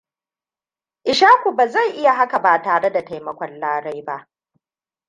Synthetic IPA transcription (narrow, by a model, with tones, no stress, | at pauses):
ʔɪ˨ʃaː˦kʷu˨baː˨za˦˨jʔɪ˦ja˨ɦa˦ka˨baː˨taː˨ɽe˦da˨ta˨jmɐ˨kʷɔ˦nlaː˦ɽa˦jba˦ʔ